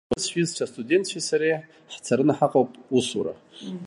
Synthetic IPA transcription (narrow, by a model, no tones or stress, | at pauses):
ɨsʃʷᶣizʈ͡ʂʷʰastʼudʲe̞nt̪ʰʃisaɾej | ħt͡sʰaɾɨnaħaqʼowpʼusuɾa̰